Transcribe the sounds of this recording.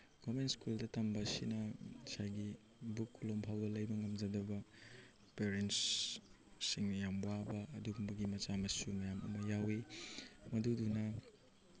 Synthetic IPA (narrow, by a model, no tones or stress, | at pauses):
ɡ̥omenskuldɐtɐmbɐsinɐsajɡi | bukːulompʰawbɐlɐjbɐŋɐmd͡ʒɐdɐbɐ | peɾents | siŋnɐjambwabɐʔɐduɡumbɐɡimɐt͡ʃamɐsumɐjamɐ̰mɐjawimɐdudunɐ